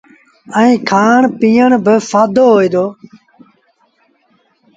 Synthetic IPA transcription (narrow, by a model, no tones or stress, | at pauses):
ə̃ĩːkʰaːɳpĩːjəɳbɪfaːd̪oːɦoːiːd̪oː